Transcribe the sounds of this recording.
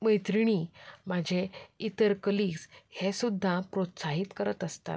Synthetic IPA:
məjt̪ɾiɽ̃imad͡ʑʱeit̪əɾkəliɡshesud̪ʱːapɾot̪saɦiːt̪kəɾət̪əst̪a̰t̪̚

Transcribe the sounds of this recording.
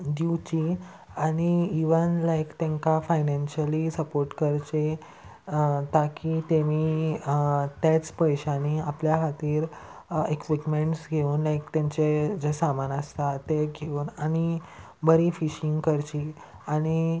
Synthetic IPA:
d̪iwt͡ɕi | aɽ̃iːʋənlajkt̪ẽŋkafajnanɕəlisəpoɾʈkəɾt͡ɕe | t̪akit̪emi | t̪jat͡spəjɕaniapljakʰat̪iːɾekʋiʈmeɳʈsɡʱeuːnlajkt̪aɲt͡ɕed͡ʑesamanəst̪at̪eɡʱeuːnañi | bəɾifiɕiŋɡkəɾt͡ɕiː | aɽ̃i

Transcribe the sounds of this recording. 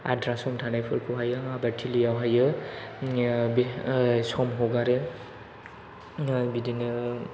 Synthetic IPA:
a̰dɾasɔmtʰanajpʰɯɾkʰuɦajɯabatʰilijawɦajɯ | bsɔmɦɔɡaɾɯ | bidinɯ

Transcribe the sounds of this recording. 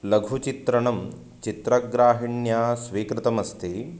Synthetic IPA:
lɐɡʱut͡ʃit̪ɾɐɳɐm | t͡ʃit̪ɾɐɡɾaːɦiɳjaːsʋiːkɾɪt̪ɐmɐst̪ʰi

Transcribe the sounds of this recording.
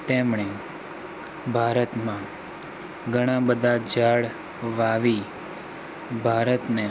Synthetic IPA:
t̪emɳe | bʱaɾət̪mã | ɡʱəɽ̃ãbəd̪ʱad͡ʒaɽ | ʋaʋi | bʱaɾət̪ne

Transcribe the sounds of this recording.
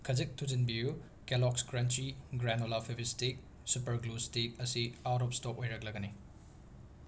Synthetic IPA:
kʰɐd͡ʒik̚tʰud͡ʒinbiju | kelɔkskɾɐnt͡ʃiɡɾenolapʰibʰistik̚ | supɐɾɡlustik̚ɐsiatɔp̚stɔkojɾɐk̚lɐɡɐni

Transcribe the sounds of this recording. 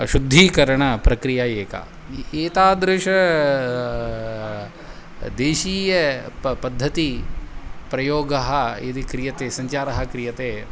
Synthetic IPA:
ʃud̪ʱːiːkɐɾɐɳɐpɾɐkɾijaeːkɐ̰ | eːt̪aːd̪ɾɪʃɐ | d̪eːʃiːjɐpɐd̪ʱːɐt̪i | pɾɐjoːɡɐɦɐid̪ikɾijɐt̪eːsɐɲt͡ʃaːɾɐɦɐkɾijɐt̪eː

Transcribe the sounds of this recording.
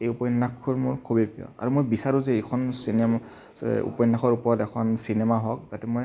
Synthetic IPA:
ejupɔjɔnːakʰːuɹmuɹkʰubipijɔ̰a̰ɹumojbisaɹuzɛekʰɔnsinɛ | ṵpɔjnːakʰɔɹupɔɹɔtɛkʰɔnsinɛmaɦɔk̚z̥atɛmoj

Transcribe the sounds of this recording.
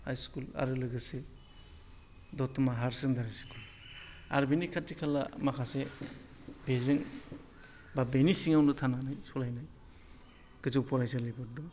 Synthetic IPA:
hajskula̰ɾɯlɯɡɯse | dɔtmaɦaɾsɯŋdaɾajskʰul | a̰ɾbenikʰatːikʰalamakʰase | bezɯŋ | babenisiŋawnɯtʰananajsɔlajnaj | ɡ̥ɯzɯwpʰɔlajsalebɯɾdɔ

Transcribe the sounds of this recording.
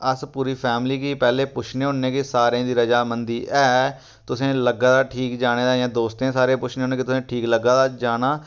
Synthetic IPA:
əspuːɾiːpʰɛːmliːkiːpɛːleːpʊt͡ʃʰneːɦʊnːẽːkɪsaːɾẽːd̪iːɾəd͡ʒaːmənd̪iːʔɛː | t̪ʊsẽːləɡãːd̪aːʈʰiːkd͡ʒaːɽ̃eːd̪aːjãːd̪oːst̪ẽːsaːɾẽːpʊt͡ʃʰneːonẽːkɪt̪ʊsẽːʈʰiːkləɡːãːd̪aːd͡ʒaːnaː

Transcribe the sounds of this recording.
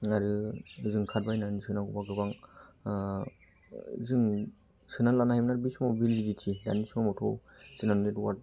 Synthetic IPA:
aɾɯzɯŋkʰat̚bajnanisɯnaɡubaɡɯbaŋ | zɯŋ | sɯnalanahjmnaɾbismawbilɡiditʰida̰nismamɔtʰɔw | sɯnannetwa̰t̚

